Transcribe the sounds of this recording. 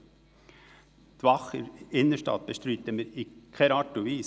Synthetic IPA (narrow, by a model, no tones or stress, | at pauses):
t̪ʋɑχəɪnːəʃtɑ̰t̪̚b̥əʃtɾyːt̪əmɪɾikʰɛɾɑːtuviː